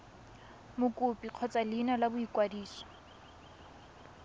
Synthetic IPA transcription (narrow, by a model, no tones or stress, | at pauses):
mʊkʼʊpʼiq͡χʰɔt͡sʼalɪnalabʊikʼwadiːsɔ̥